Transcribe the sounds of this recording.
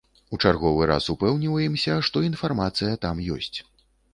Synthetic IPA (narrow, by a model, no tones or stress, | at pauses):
ut͡ʂarɣɔvɨɾa̰supɛwnʲivɐjimsʲɐʂt̪ɔinfarmat̪sɨjɐt̪amjɔ̰sʲt͡sʲ